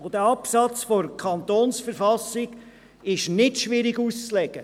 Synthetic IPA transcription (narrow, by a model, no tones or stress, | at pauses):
od̪əɑpsɑt͡sfoɾkʰɑnt̪oːnsfəɾfɑsɪɡ̥ | ɪʃnɪtʃʋɪɾɪɡust͡slɛɡ̥ə